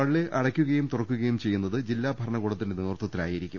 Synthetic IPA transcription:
ɐɭːeʔɐɽɐkʲːuɣɐjumt̪urɐkːuɣɐjumt͡ɕe̞jːunːɐðɨd͡ʑilːaːbʱɐɾɐɳɐɣuːɽɐt̪ːindeniʋrt̪ːɐt̪ːila̰ːjijiɾikʲːum

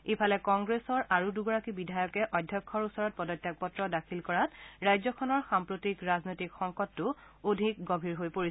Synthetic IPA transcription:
epʰalɛkɔŋɡɹesɔɹʔaɹuduɡɔɹakibidʱajɔkɛʔɔdʱjɔkʰːɔɹusɔɹɔt̚pɔdɔtʰːak̚pɔtɹɔdakʰilkɔɹatɹajzɔkʰɔnɔɹxampɹotikɹaznojtikxɔŋkɔtːʊ | odʱik̚ɡɔbʱiɹɦojpoɹis

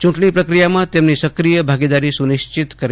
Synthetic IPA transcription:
t͡ʃũʈɳipɾəkɾijamãt̪emnisəkɾijəbʱaɡid̪aɾisunɪʃt͡ʃɪt̪kəɾ

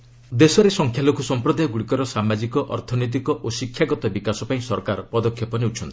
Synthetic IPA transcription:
d̪esɔɾesɔŋkʰjalokʰusɔmpɾɔd̪ajɔɡuɽikɔɾɔsamad͡ʒikɔʔɔ̰ɾt̪ʰɔnɔjt̪̬ikɔʔosikʰːjaɡɔt̪ɔbikasɔpaĩsɔɾkaɾɔpɔd̪ɔkʰjɔpɔneut͡ʃʰɔnt̪i̥

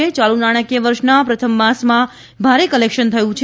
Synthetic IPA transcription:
et͡ʃalunaɽ̃əkeʋəɾʃnapɾət̪ʰəmːasmã | bʱaɾekəlekʃənt̪ʰəjũt͡ʃʰ

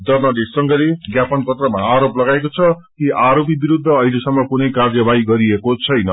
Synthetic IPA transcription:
d̪ʌrnʌdesʌŋɡʌleɡjapʌnpʌt̪rʌmaːɾoplʌɡaekot͡sʰʌkiʔaɾopibiɾud̪ʱːʌʌilesʌmːʌkunʌjkard͡zʌbaiɡʌɾiekot͡sʰʌjnʌ

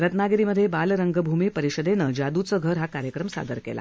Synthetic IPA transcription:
ɾət̪naɡəɾiməd̪ʱːjebalɾəŋɡəbʱumiːpəɾiɕəd̪enəd͡ʑad̪ut͡səɡʱəɾɦakaɾjəkɾəmsa̰d̪əɾkḛla̰

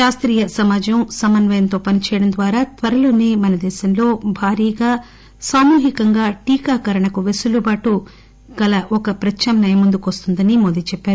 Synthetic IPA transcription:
ʃaːst̪ɾiːjɐsɐmaːd͡ʒɐmsɐmɐnʋɐjɐnt̪o̞ːpɐnit͡ʃɛːjɐɽɐnd̪ʋaːɾaːt̪ʋɐɾɐlo̞ːneːmɐnɐd̪ɛːʃɐmlo̞ːbʱaːɾiːɡaː | saːmuːɦikɐŋɡaːʈiːkaːkɐɾɐɳɐkuʋesulubaːʈu | ɡ̥ɐlɐʔɔkɐpɾɐt͡ʃʰɐmnɐjɐmund̪ukʋɐst̪und̪ɐnimod̪iːt͡ʃɛpːaːɾu

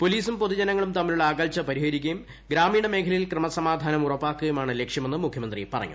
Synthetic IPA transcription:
po̞liːsumpoðud͡ʑɐnɐŋːɐɭumt̪ɐmːiluɭːɐaːɡɐlt͡ɕːɐpɐɾihɐɾikʲːɐjum | ɡɾaːmiːɽɐme̞ːkʰɐlɐjilkrɐmɐsɐmaːd̪ʱaːnɐmurɐpːaːkːɐjumaːɳɨlekʂjɐme̞nːɨmukʰjɐmɐnd̪rḭpɐrɐ̰ŋːṵ

